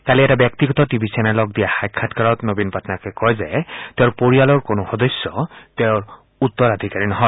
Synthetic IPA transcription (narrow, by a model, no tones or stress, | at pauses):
kaliɛtabjɛk̚tiɡɔtɔtibʱisɛnɛlɔɡ̚dijaxajkʰːatkaɹɔtnobinpatʰnakɛkɔjzɛteʊɹpoɹialɔɹkonʊxɔdɔsjɔteʊɹ | utːɔɹad̪ʱikaɹinɔɦɔ